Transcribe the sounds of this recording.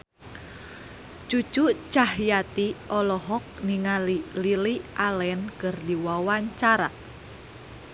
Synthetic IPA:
t͡ʃu̥t͡ʃut͡ʃahjat̪iɔlɔɦɔk̚niŋalililiʔalɛnkərdiwawaɲt͡ʃaɾa

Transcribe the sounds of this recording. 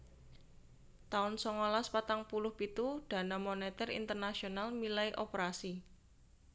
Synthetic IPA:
t̪aʊnsɔŋolaspat̪aŋpulʊhpit̪uɖ̪̥a̤namonɛt̪ɛrḭnt̪ərnasionalmilaiʔopɾasi

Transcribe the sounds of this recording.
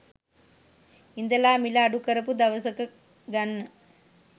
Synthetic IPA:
ind̪ɐlaːmilɐːɖukɐɾɐpud̪ɐʋɐsɐkɐ | ɡɐnːɐ

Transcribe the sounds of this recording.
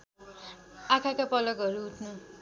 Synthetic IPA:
akʰakapʌlʌkɦʌɾuɦuʈʰnu

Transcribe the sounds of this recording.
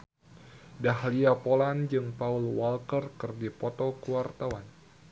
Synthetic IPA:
dahliapoland͡ʒɨŋpaulwalkərkɨrdipot̪ɔkuwart̪awan

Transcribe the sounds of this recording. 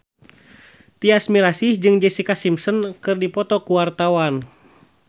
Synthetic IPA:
t̪iasmiɾasihd͡ʒɨŋd͡ʒɛsikasimsənkɨrdipɔt̪ɔkuwart̪awan

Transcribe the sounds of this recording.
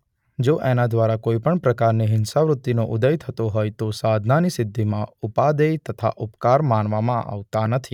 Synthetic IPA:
d͡ʒoʔɛnad̪ʋaɾakoːipəɳpɾəkaɾneɦɪnsaʋɾʊt̪ːinoʔʊd̪əjt̪ʰət̪oɦoːjt̪osaːd̪ʱnanisɪd̪ʱːimãʊpad̪ejt̪ət̪ʰa̰ʔʊpkaɾmaːnʋamãʔa̰ʋt̪anət̪ʰi

